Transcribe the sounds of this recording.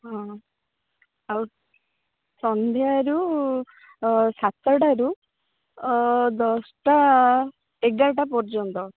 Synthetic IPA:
ɦɔ̃ | aw | sɔnd̪ʱjaɾu | sat̪ːɔɽaɾu | d̪ɔsʈa | eɡaʈapɔɾd͡ʒɔnt̪ɔ

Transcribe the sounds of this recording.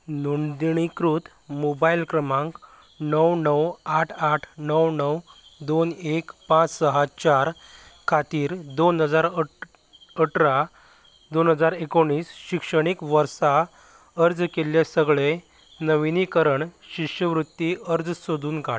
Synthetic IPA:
nuɳd̪iɳ̃ikɾut̪ | mobailkɾəmãŋk | nəwnəwaʈʰaʈʰnəwnəw | d̪onekpãt͡ssəɦat͡ɕaɾ | kʰat̪iːɾd̪onɦəd͡zaɾ | əʈɾa | d̪onɦəd͡zaɾekoɳːiːsɕikʂəɽ̃ikʋəɾsa | əɾd͡zkeljasəɡɭe | nəʋinikəɾəɳɕiʂjəʋɾut̪ːiəɾd͡zsod̪ʱuːnkaʈ

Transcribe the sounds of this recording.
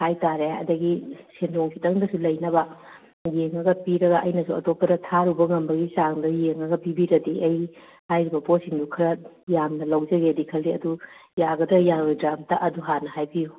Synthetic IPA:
hajtaɾeɐ̰dɐɡisenoŋpʰitɐŋdɐsulɐjnɐbɐ | jeŋɐɡɐpiɾɐɡɐʔɐjnɐsuɐtopːɐdɐtʰaɾubɐŋɐmbɐɡisaŋdɐjeŋɐɡɐpibiɾɐdiʔɐj | hajɾibɐposiŋdukʰɐɾɐjamnɐlɐwd͡ʒɐɡeɐdikʰɐldiɐdujaɡɐdɐjaɡɡɐdɾamtɐʔɐduɦanɐhajbiju

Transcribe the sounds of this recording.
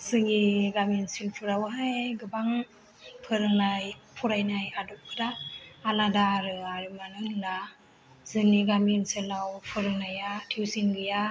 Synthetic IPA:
sɯŋiɡaminsilpʰɯɾawɦajɡɯbaŋ | pʰɯɾɯŋnajpʰuɾajnajadɔp̚pʰɯdaːladaɾɯaɾimanɯŋla | zɯniɡaminsilawpʰɯɾɯŋnajatʰiwsiŋɡɯja

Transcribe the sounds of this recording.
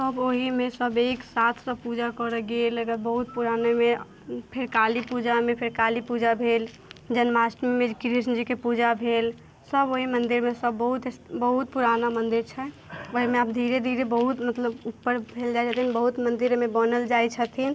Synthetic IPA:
səboɦimesəbeksat̪ʰsə̃pud͡ʒakɔɾəɡeləɡət̪bəɦut̪̚puɾaneme | pʰeɾkalipud͡ʒamepʰeɾkalipud͡ʒabʱel | d͡ʒənmasʈmimekɾisnd͡ʒikepud͡ʒabʱel | səboɦimənd̪iɾmesəbːəɦut̪bəɦut̪̚puɾanamənd̪iɾt͡ʃʰɛ | əɦimeaːpd̪ʱiɾed̪ʱiɾebəɦut̪mət̪ləbupːəɾbʱeld͡ʒajt͡ʃʰət̪ʰinbəɦut̪mənd̪iɾmebənəld͡ʒajt͡ʃʰət̪ʰin

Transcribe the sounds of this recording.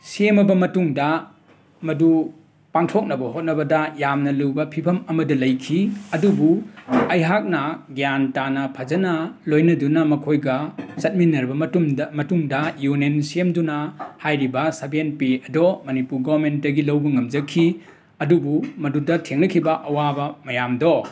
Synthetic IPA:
siemɐbɐmɐtuŋdɐ | mɐdu | paŋtʰok̚nɐbɐɦot̚nɐbɐdɐjamnɐluwbɐpʰipʰɐmɐmɐdɐlɐjkʰiɐdubuɐjɦak̚nɐɡijantanɐpʰɐzɐnɐlojnɐdunɐmɐkʰojɡɐsɐt̚minɐɾbɐummɐtumdɐjunensiemdunɐhajɾibɐsɐbenpiɐdɔmɐnipuɾɡɔbɐɾment̚dɐɡilɐwbɐŋɐmd͡ʒɐkʰːi | ɐdubumɐdudɐtʰeŋnɐkʰibɐʔɐwabɐmɐjamdɔ

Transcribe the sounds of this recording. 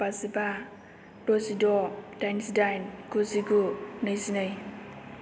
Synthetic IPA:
paziba | dɔzidɔdansdajnɡuziɡunɯjzinɯj

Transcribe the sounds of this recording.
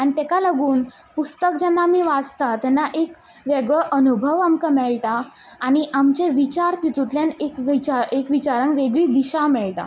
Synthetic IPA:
añit̪ɛkaləɡuːn | pust̪əkd͡ʑɛnːaːmiːʋat͡st̪at̪ɛnːaʔek | ʋeɡɭəʔənubʱəʋamkamɛɭʈ̪aː | ɽ̃iʔamt͡ɕeʋit͡ɕaɾk̪it̪ut̪ljanekʋt͡ɕaekʋit͡ɕaɾanʋeɡɭiːd̪iɕamɛɭʈ̪a̰

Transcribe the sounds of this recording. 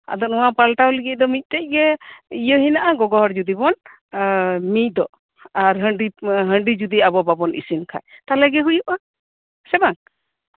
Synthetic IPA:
a̰d̪ɔnuwapalʈawliɡic̪̚ˀd̪ɔmic̚ˀt̪ɛc̚ˀɡɛijəɦinaʔaɡɔɡɔɦɔɾd͡ʒud̪ibɔn | mic̚ˀd̪ɔ | aɾɦəɳɖiɦəɳɖid͡ʒud̪iabɔbabɔnḭsinkʰa̰jt̪alɛɡɛɦujuʔa | sɛbaŋ

